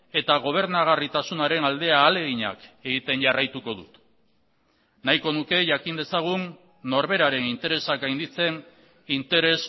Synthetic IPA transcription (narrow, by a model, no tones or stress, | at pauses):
e̞t̪aɣ̞o̞β̞e̞ɾnaɣ̞arit̪asunaɾe̞nald̪e̞aːle̞ɣiɲa̰ke̞ɣit̪e̞nʝarajt̪uko̞ðṵt̪ | najko̞nuke̞ʝakind̪e̞saɣ̞unː | o̞ɾβe̞ɾaɾe̞nint̪e̞ɾe̞sakɡajnd̪it͡se̞n | int̪e̞ɾe̞s